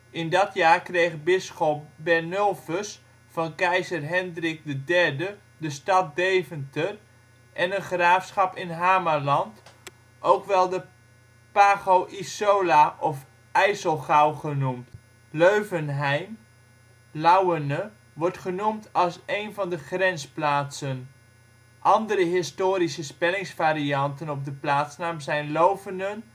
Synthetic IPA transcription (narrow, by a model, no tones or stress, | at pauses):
ɪndɑtjaːrkrejχbɪsχɔp̚bɛɹnølˠvəs | fɑnkɛjzərɦɛndrɪk̚dədɛɹdə | dəstɑt̚dejvəntər | ʔɛnənχraːfsχɑpɪnɦaːmalɑnt | ʔowkʋɛlˠdə | paːχowʔisolaʔɔf | ɛjsəlˠχawχənumt | løɥvənɦɛjm | lawənə | ʋɔɹtχənumtɑlˠsejnvɑndəχrɛnsplaːtsən | ʔɑndəɾəɦɪstoːɾisəspɛlɪŋsfaːɾiɑntənɔb̚dəplaːtsnaːmsɛjnlowvəndən